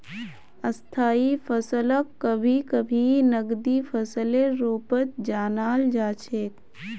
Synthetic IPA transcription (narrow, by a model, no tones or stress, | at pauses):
əst̪ʰaːipʰəsələkːəbʱikəbʱinəɡd̪ipʰəsəleɾoːpət̪d͡ʒaːnaːld͡ʒaːt͡ʃʰeːk